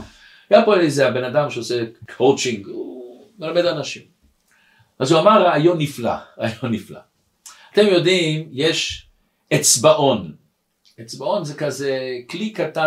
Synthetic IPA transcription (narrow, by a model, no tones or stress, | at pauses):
ajapoelezeabenad̪amʃeosekʰowt͡ʃiŋɡu | melamed̪anaʃim | ʔazuamaʁeajonːifla̰ʁeajonːifla̰ | at̪e̞mjo̞d̪imjeʃ | et͡sbaʔo̞n | et͡sbao̞nzekazeklikata